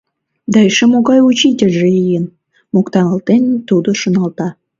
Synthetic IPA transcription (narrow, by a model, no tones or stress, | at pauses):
d̪ɑeʃemoɣɑjut͡ɕitʲeʒeijən | mokt̪ɑnə̆lt̪ent̪ud̪oʃŏnɑlt̪ɑ